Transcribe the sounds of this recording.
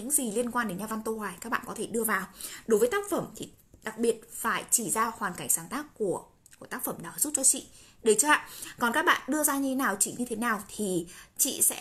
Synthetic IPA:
ɲɨ̰˧˥ŋzi˨˩li˧ənkwaː˧nɗe˨˦nɲaː˧va˧nt̪o˧hwaː˨˩jkaː˦˥k̚ɓa̰ː˧˨kɔ˨˦t̪ʰe˧˩ɗɨ˧əvaː˨˩wɗo˨˦jvəː˨˦jt̪aː˦˥k̚fə˧˩mt̪ʰi˨˩ | ɗa˨˩k̚ɓi˨˩ət̚faː˧˩jt͡ɕi˧˩zaː˧hwaː˨˩nka˧˩jŋ̟saː˧˩nt̪aː˦˥kːu˧˩ə | ku˧˩ət̪aː˦˥k̚fə˧˩mnɔ˨˦zu˦˥p̚t͡ɕɔ˧t͡ɕḭ˧˨ɗe˨˦t͡ɕə˧a̰ː˧˨kɔ˨˩nkaː˦˥k̚ɓa̰ː˧˨ɗɨ˧əzaː˧ɲɨ˧tʰe˨˦naː˨˩wt͡ɕḭ˧˨ɲɨ˧t̪ʰe˨˦naː˨˩wt̪ʰi˨˩t͡ɕḭ˧˨sɛ̰˧˥

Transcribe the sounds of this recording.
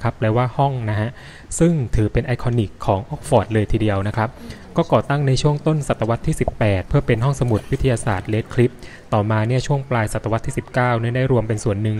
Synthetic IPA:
kʰa˦˥pʰːɾɛː˧waː˥˩hɔ˥˩ŋna˦˥ɦʰa˦˥ʔ | sɯ˥˩ŋt̪ʰɯː˩˦pe˧nʔa˧˥jkʰɔː˧ni˨˩kʰːɔː˩˦ŋʔɔ˦˥k̚fɔː˨˩t̪̚lɤː˧jt̪ʰiː˧di˧əwna˦˥kʰɾa˦˥p̚ | kɔː˥˩kɔː˨˩t̪a˥˩ŋna˧jt͡ɕʰu˥˩əŋt̪o˥˩nsa˨˩t̪ːa˧wa˦˥t̪ʰːiː˥˩si˨˩pːɛː˨˩t̪̚pʰɯ˥˩ɐpe˧nɦɔ˥˩ŋsa˧mu˨˩t̪̚wi˦˥t̪ʰːjaː˧sa̰ː˨˩t̪̚leː˦˥t̪̚kʰli˦˥p̚ | t̪ɔː˨˩maː˧ni˥˩t͡ɕʰu˥˩əŋplaː˧jsa˨˩t̪ːa˧wa˦˥t̪ʰːiː˥˩si˨˩p̚kaː˥˩wni˥˩ɐda˥˩jɾu˧əmpe˧nsu˨˩ənːɯ˨˧ŋ

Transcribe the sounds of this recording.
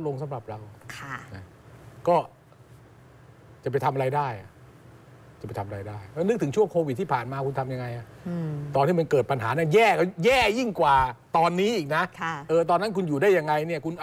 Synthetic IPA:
lo˧ŋsa˨˦mɾa˨˩p̚ɾa˧wkʰa˥˩na˧˩ | kɔː˥˩ | t͡ɕa˨˩pa˧jt̪ʰmʔɾa˧jdaː˥˩jʔa˨˩ʔ | t͡ɕa˨˩pa˧jt̪ʰa˧mʔɾa˧jdaː˥˩jɔː˧˩nɯ˦˥k̚t̪ʰɯ˩˦t͡ɕʰu˥˩əŋkʰoː˧wi˨˩t̪ʰːiː˥˩pʰaː˨˩nmaː˧kʰu˧nt̪ʰa˧mja˧ŋa˧jʔa˨˩ʔt̪ɔː˧nt̪iː˥˩ma˧nkɤː˨˩t̪̚pa˧nɦaː˩˦na˥˩njɛː˥˩kɔ˥˩jɛː˥˩ji˥˩ŋkwaː˨˩t̪ɔː˧nːiː˦˥ʔiː˨˩k̚na˦˥kʰʔɤː˧t̪̬ɔː˧nːa˦˥nkʰu˧njuː˨˩daː˥˩ja˧ŋːa˧jni˥˩ɐkʰu˧nʔ

